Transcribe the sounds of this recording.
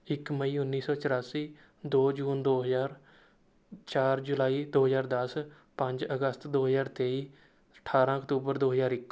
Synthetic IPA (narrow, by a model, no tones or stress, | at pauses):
ɪkməiːʊnːiːsɔːt͡ʃəɾaːsiː | d̪oːd͡ʒuːnd̪oːɦəzaːɾ | t͡ʃaːɾd͡ʒʊlaːiːd̪oːɦəzaːɾd̪əs | pə̃ɲd͡ʒəɡəst̪d̪oːɦəzaːɾt̪eːiː | əʈʰaːɾãːəkt̪uːbəɾd̪oːɦəzaːɾɪkː